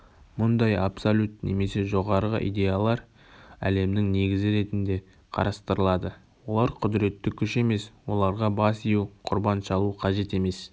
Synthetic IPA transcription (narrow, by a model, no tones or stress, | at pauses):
mʊnd̪ɑjapsolʲut̪ne̞̰me̞se̞ʒo̞ʁɑɾʁə̰ʔḭd̪ʲe̞jalˠɑɾ | æ̰le̞mnɪŋne̞ɡʲɪzɪɾe̞t̪ɪnd̪e̞ | qʰɑ̰ɾɑst̪əɾəlˠɑd̪ə | wo̞lˠɑɾqʰʊd̪ɪɾe̞t̪ːɪkʲʰʏʃe̞me̞swo̞lˠɑɾʁɑbɑsijuwqʰʊɾbɑnʃɑlˠuqʰɑʒe̞t̪e̞me̞s